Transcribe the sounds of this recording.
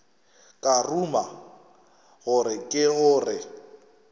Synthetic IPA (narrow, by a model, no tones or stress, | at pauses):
kʼaruma | ɣʊɾɪkʼɪɣʊːrɪ